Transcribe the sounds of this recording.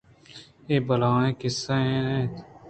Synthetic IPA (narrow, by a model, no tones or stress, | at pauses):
eːbəlaːɳẽːkɪsẽẽːnẽːt̪